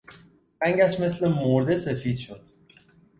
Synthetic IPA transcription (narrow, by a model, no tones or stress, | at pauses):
ɾæŋɡæʃme̞slemoɾd̪esefiːd̪ʃod̪̥̚